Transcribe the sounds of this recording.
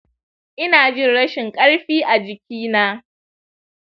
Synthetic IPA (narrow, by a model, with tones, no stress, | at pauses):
ʔɪ˦naː˨d͡ʒɪ˦nɽɐ˦ʃɪ˨ŋkʼɐ˦ɽɸiː˦ʔa˨d͡ʒɪ˨kʲiː˦naː˦